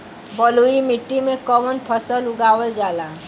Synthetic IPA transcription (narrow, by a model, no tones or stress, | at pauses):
bɔluimiʈːimekɔmɔnpʰɔsəluɡawəld͡ʒala